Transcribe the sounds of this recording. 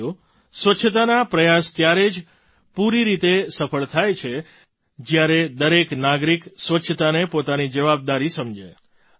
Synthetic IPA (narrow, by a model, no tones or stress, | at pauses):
o | sʋətːʃʰət̪anapɾəjast̪jaɾed͡ʒ | puɾiɾit̪esəfəɭt̪ʰajt͡ʃʰe | d͡ʒjaɾed̪əɾeknaɡɾiksʋətːʃʰət̪anepot̪anid͡ʒəʋab̚d̪aɾisəmd͡ʒe